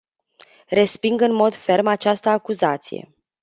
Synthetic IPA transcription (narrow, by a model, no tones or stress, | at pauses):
re̞spiŋɡɨnmo̞d̪fe̞rmat͡ʃast̪əakuzat̪sḭje̞̰